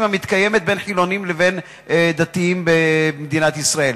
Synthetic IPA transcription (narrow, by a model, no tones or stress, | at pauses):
mamit̪kaje̞me̞t̪̚be̞nħilo̞nimleve̞n | d̪at̪iimbemed̪inat̪isʁael